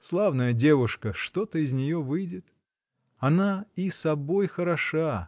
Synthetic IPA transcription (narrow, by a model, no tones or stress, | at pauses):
slˠavnəjədʲe̞vʊʂkəʂt̪o̞t̪əɪzʲnʲɪjo̞vɨjdʲɪt̪ | ɐnaisɐbo̞jxəɾɐʂa